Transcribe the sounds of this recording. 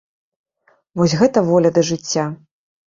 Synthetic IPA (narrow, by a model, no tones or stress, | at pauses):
vɔsʲɣɛt̪ɐvɔlʲɐd̪ɐʐɨt͡sʲːa